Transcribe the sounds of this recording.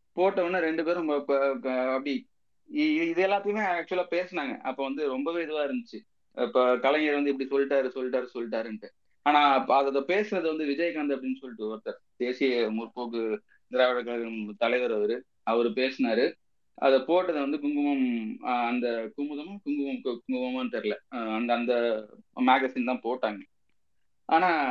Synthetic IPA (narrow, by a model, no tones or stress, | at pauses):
poːʈːɐʋɐnɯɾɛɳɖɯp̬eːɾɔmbɐ | ɐpːɐɽi | ɪɪðɯɛlːaːt̪ːɐjɯmeːak̚t͡ʃʊɛlaːpeːsɐnaːŋɡɐ̰ʔɐpːoːʋɐnd̪ɯɾɔmbɐʋeːɪðɯʋaːɪɾɯnd̪ɯt͡ʃːɯ | pːoːkɐlɐŋɡɐɾʋɐnd̪ɯɪpːɐɽisɔlːɪʈːaːɾɯsɔlːɪʈ̬ːaːɾɯsɔlːɪʈ̬ːaːɾɯɳʈːɯ | aːnãːɐðɐðɐpeːsɐnɐðɯʋɐnd̪ɯʋɪd͡ʒɐjɐkːaːnd̪ɐp̬ːɐɽɪnːɯsɔlːɪʈːɯoːɾɯt̪ːɐːɾ | d̪̥eːsɪjɐmʊɾɯpoːkɯ | nɪɾaːʋɐɽɐkːɐlɐɣɐmt̪ɐlɐɪʋɐɾɐʋɐɾɯ | ɐʋɐɾɯpeːsɐnaːɾɯ | ɐ̰ðɐpoːʈːɐðɯʋɐnd̪ɯkʊŋɡɯmɐmɐnd̪ɐkʊmʊðɐmɐkʊŋɡɯmɐmkkʊŋɡɯʋɐmaːnʈ̪ɐɾɯlɛɐnd̪ɐnd̪ɐmaːɡɐsɪnt̪ãːpoːʈːaːŋɡɐ | ʔa̰ːnaː